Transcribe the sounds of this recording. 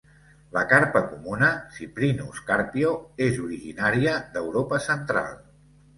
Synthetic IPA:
ləkaɾpəkumunəsipɾinṵskaɾpioezuɾiʒinaɾiəd̪əwɾopəsənt̪ɾa̰lˠ

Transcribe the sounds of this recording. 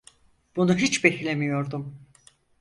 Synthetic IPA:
b̥unuɦit͡ʃbeçlʲemijo̞ɾd̪um

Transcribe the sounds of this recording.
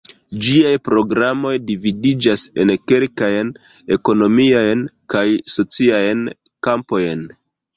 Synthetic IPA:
d͡ʒiajpɾo̞ɡɾamo̞jdividid͡ʒase̞̰nke̞lkajn | e̞ko̞no̞miajnkajso̞t͡siajn | kampo̞jn

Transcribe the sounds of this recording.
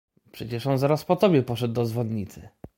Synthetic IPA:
pʂɛt͡ɕɛʂɔnzaɾaspɔt̪ɔbʲjɛpɔʂɛd̪ːɔzvɔd̪ɲit̪sɘ

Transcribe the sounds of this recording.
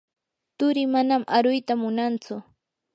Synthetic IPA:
t̪ʊɾɪmanamʔaɾʊjt̪amʊnant͡sʊ

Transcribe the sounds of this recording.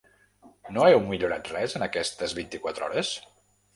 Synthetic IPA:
noɛwmiʎuɾat̪rɛzənəkɛst̪əzβint̪ikwat̪ɾɔ̰ɾəs

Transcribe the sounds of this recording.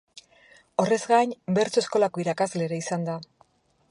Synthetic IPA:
o̞re̞zɡajɲbe̞ɾt͡so̞e̞sko̞lako̞iɾakazle̞ɾaisand̪a

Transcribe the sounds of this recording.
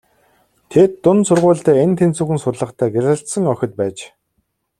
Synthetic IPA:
t̪ʰet̪ːʊnsʊrʁʊːɮt̪æːent̪ʰent͡suːxɘ̆nsʊrɮə̆χt̪ʰæːɡerʁə̆ɬt̪sə̆ŋœxʲɪ̆t̪̚pæːt͡ɕ

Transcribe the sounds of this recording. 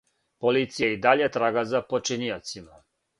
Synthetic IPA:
polit̪sijeid̪aʎet̪ɾaɡazapot͡ʃiniot̪sima

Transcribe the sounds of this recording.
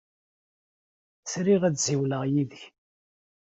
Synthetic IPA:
sɾiʁæt͡sziwləʁjiðəç

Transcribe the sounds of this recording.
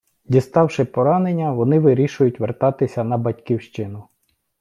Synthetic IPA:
dʲist̪ɑwʃɪpɔɾɑnenʲːɐʋɔnɪʋɪɾʲiʃʊjʊtʲʋert̪ɑt̪ɪsʲɐnɐbɐtʲkʲiwʃt͡ʃɪnʊ

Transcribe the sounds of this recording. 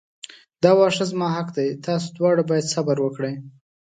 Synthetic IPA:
d̪ɑwɑʂazmɑɦaqd̪ajt̪ɑs̬od̪wɑɽabɑjad̪sabaɾwəkɽəj

